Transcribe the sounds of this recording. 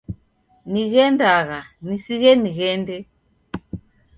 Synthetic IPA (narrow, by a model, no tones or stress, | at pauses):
niɣɛndaɣanisiɣɛniɣɛndɛ